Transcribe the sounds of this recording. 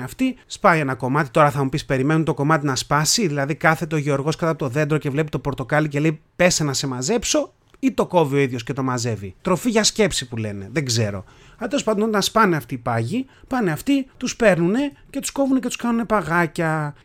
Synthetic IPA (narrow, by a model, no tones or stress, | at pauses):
ɐft̪ispɐienɐko̞mɐt̪i̥t̪o̞ɾɐθɐmupispe̞ɾime̞nunt̪o̞ko̞mɐt̪inɐspɐsiðilɐðikɐθe̞t̪eo̞ʝeo̞ɾɣo̞skɐt̪ɐpot̪oðe̞nd̪ɾo̞ce̞vle̞pit̪opo̞ɾt̪o̞kɐlice̞le̞ipe̞senɐse̞mɐze̞pso̞ | it̪o̞ko̞vio̞iðjo̞sce̞t̪o̞mɐze̞vit̪ɾo̞fiʝɐsce̞psipule̞̰ne̞ðe̞ɡze̞ɾo̞̰ | ɐt̪elospɐnd̪onot̪ɐnspɐne̞ɐft̪ipɐʝi | pɐneɐft̪it̪uspe̞ɾnune̞ce̞t̪u̥sko̞vunecet̪u̥skɐnune̞pɐɣɐcɐ